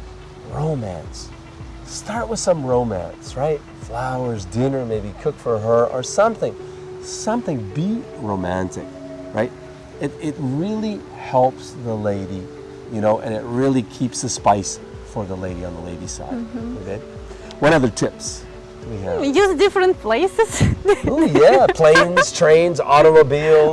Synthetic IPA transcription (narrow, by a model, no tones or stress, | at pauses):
ɹoʊ̃mæ̰̃ns | tɑɹt̚wəð̥sʌ̃mɹoʊ̃mæ̰̃nsɹaɪt̚flaʊə˞zdɪ̃nə˞meɪbikʰʊkfə˞ə˞ʔə˞sʌ̃mθɪ̃ŋ | sʌ̃mθɪ̃ŋbiɹoʊmæ̃ntɨ̰k | ɹa̰ɪt̚ | ɨɾɪt̚ɹɪlˠi | hɛlˠpsðəleɪɾi | jɨnoʊʔɨ̰̃nɨt̚ɹɪlˠikʰipsɨspaɪs | fə˞ðəleɪɾiɨ̃nðəleɪɾi̥sa̰ɪd̩okʰe | wʌ̃ɾ̃ʌðə˞tʰɪps | tʰwihiɹijʉzdɪfɹɨ̃npʰl̥eɪsɨz̥ojæpʰl̥ẽɪ̃nz̥tʰɹ̥ẽɪ̃nzɔɾəmoʊbilˠ